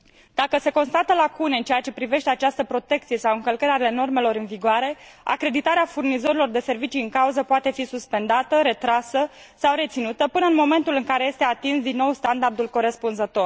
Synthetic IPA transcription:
d̪̥akəse̞ko̞nst̪at̪əlakuneɨnt͡ʃejat͡ʃe̞pɾive̞ʃt̪e̞at͡ʃast̪əpɾo̞t̪e̞k̚t̪sie̞sawɨŋkəlkəɾʲale̞no̞rme̞lo̞ɾɨnviɡoaɾe̞a̰kɾe̞d̪it̪aɾeafurnizo̞ɾilo̞rd̪e̞se̞rvit͡ʃiɨŋkauzəpoat̪e̞fisuspe̞nd̪at̪əɾe̞t̪ɾasə | sawɾe̞t̪sinut̪əpɨnəɨnmo̞me̞nt̪ulɨŋkaɾe̞je̞st̪e̞at̪insd̪inːo̞wst̪and̪ard̪ulko̞ɾe̞spunzət̪o̞r

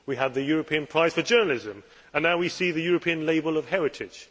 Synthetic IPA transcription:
wiəd̪̚ðəjɔɹəpʰĩə̃npʰɹ̥aɪz̥fəd͡ʒɜːnəl̩ɪzə̃m | ə̃nːaʊwisiːðəjɔːɹəpʰĩə̃nleɪbəlˠəv̥hɛɹɪtʰɪd̥ʒ̥

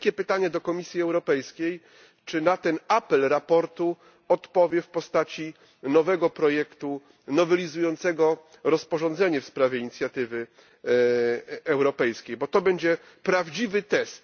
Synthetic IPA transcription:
kʲɛpɘt̪aɲɛd̪ɔkɔmʲisʲjiɛwɾɔpɛjskʲej | t͡ʂɘnat̪ɛnapɛlɾapɔɾt̪u | ɔt̪pɔvʲjɛfpɔst̪at͡ɕi | nɔvɛɡɔpɾɔjɛkt̪u | nɔvɛlʲizujɔnt̪sɛɡɔ | ɾɔspɔʐɔ̃nd̪zɛɲɛfspɾavʲjɛiɲit̪sʲjat̪ɘvɘ | ɛwɾɔpɛjskʲejbɔt̪ɔbɛɲd͡ʑɛ | pɾavd͡ʑivɘt̪ɛst̪

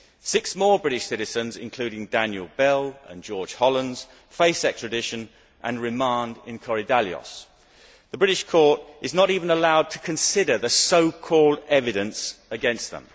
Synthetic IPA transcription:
sɪksmɔːbɹɪɾɪʃsɪɾɨzə̃nzɪ̰̃nkʰl̥ʉɾɪ̃ŋdæ̃njəlˠbɛlˠə̰̃nd͡ʒɔːd̥ʒ̥hɒlˠə̃ndz̥ | feɪsɛk̚tɹ̥ədɪʃə̃n | ʔə̰̃nɹɪmɑ̃ndɪ̃nkʰɔɹidalˠjə̰s | ðəbɹɪɾɪʃkʰɔɹtʔɨznəɾiːvə̃nəlaʊd̚tʰə̥kʰɨ̃nsɪɾə˞ðəsəʊkʰɔlˠdɛvɨɾɨ̃nsəɡɛ̃nst̪̚ðə̰̃m

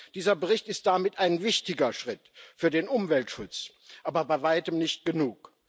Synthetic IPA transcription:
d̥iːzɐbəʁɪçtɪst̚d̥amɪtaɪnvɪçtɪɡɐʃʁ̥ɪtfyːɐdeːnʔʊmvɛltʃʊt͡s | ʔaːbɐbaɪvaɪtəmnɪçt̚ɡ̥ənuːk

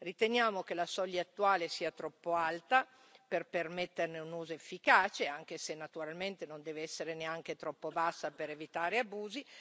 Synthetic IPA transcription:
rit̪enjaːmokelasɔʎːaat̪ːuaːlesiːat̪ɾɔpːoalt̪a | perpermɛt̪ːerneunuːzoefːikaːt͡ʃeaŋk̟esenːat̪uɾalment̪enond̪ɛːveɛsːeɾeneaŋk̟et̪ɾɔpːobasːapeɾevit̪aːɾeabuːzi

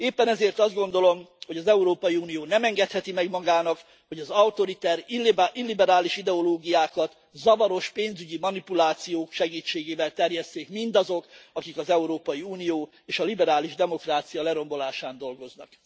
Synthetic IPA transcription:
eːpːɛnɛzeːrt̪ɒzd̪̚ɡo̞n̪d̪o̞lo̞mho̞ɟɒzɛuɾoːpɒjiuːnijoːnɛmɛŋɡɛt̪hɛt̪imɛɡmɒɡaːnɒk | ho̞ɟɒzɒut̪o̞ɾit̪ɛɾʔilːibɛɾaːliʃid̪ɛo̞loːɡijaːkɒt̪ | zɒvɒɾo̞ʃpeːnzyɟimɒnipulaːt̪sijoːkʃɛɡiːt͡ʃːeːɡeːvɛlt̪ɛrjɛst̪eːkmind̪ɒzo̞kɒkikɒzɛuɾoːpɒjiuːnijoː | eːʃɒlibɛɾaːliʒd̪ɛmo̞kraːt̪sijɒlɛɾo̞mbo̞laːʃaːnd̪o̞lɡo̞znɒ̰k

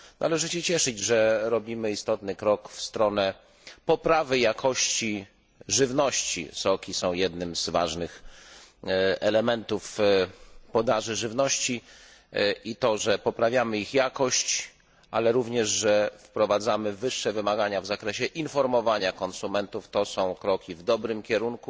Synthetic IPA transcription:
nʔa̰lɛʐɘɕɛt͡ɕɛʂɘd͡ʑʐɛɾɔbʲimɘist̪ɔt̪nɘkɾɔkfst̪ɾɔnɛ | pɔpɾavɘjakʰɔɕt͡ɕi | ʐɘvnɔɕt͡ɕḭsɔkʲisɔ̃w̃jɛd̪nɘmzva̰ʐnɘx | ɛlɛmɛnt̪uf | pɔd̪aʐɘʐɘvnɔɕt͡ɕi | ʔit̪ɔʐɛpɔpɾavʲjamɘixjakɔɕt͡ɕ | ʔalɛɾuvɲɛʐʐɛfpɾɔvad̪zamɘvɘʂːɛvɘmaɡaɲavzakɾɛɕɛʔinfɔɾmɔvaɲakɔnsumɛnt̪uft̪ɔsɔ̃w̃kɾɔkʲivd̪ɔbɾɘmkʲɛɾunku

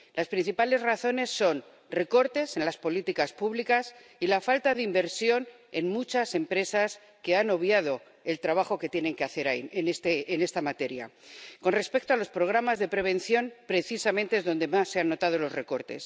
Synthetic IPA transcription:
laspɾin̟θipale̞zraθo̞ne̞sːo̞n | re̞ko̞ɾt̪e̞se̞nlaspo̞lit̪ikaspuβlikas | ilafalt̪aðeimbe̞ɾsjo̞n | e̞nmut͡ʃase̞mpɾe̞sas | ke̞ano̞βjað̞o̞ | e̞lt̪ɾaβ̞axo̞ke̞t̪je̞ne̞ŋkeaθe̞ɾaienest̪eːne̞st̪amat̪e̞ɾja̰ko̞nre̞spe̞k̚t̪o̞alo̞spɾo̞ɣ̞ɾamazðe̞pɾe̞β̞ẽ̞n̟θjo̞npɾe̞θisamẽnt̪eezðo̞nd̪e̞masːe̞anːo̞t̪að̞o̞lo̞zre̞ko̞ɾt̪e̞̰s

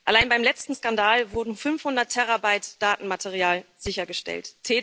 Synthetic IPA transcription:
ʔalaɪnbaɪmlɛt͡stn̩skandaːlvʊɐdn̩fʏnfhʊndɐtʰːɛʁabaɪtd̥aːtn̩matʰeʁ̞iaːlz̥ɪçɐɡəʃtɛ̰lttʰːeː

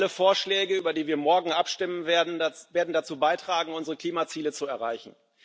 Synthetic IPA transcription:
ləfoːɐʃlɛːɡəyːbɐdiːviːɐmɔɐɡŋ̩ʔapʃtɪmənvedn̩veːɐdn̩dat͡suːbaɪtʁ̥aːɡŋ̩ʊnzəʁəkl̥iːmat͡siːlət͡suɛɐʁaɪçn̩

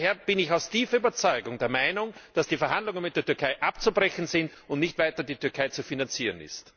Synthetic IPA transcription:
heːɐb̥ɪnɪçaʊstiːfɐyːbɐt͡sɔʏɡʊŋdeːɐmaɪnʊŋd̥asd̥iːfɛɐhandlʊŋənmɪt̚d̥eːɐtʏɐkʰaɪʔapt͡subʁɛçn̩zɪnt | ʊntnɪçtv̥aɪtɐdiːtʏɐkʰaɪt͡sufinant͡siːʁənɪ̰st

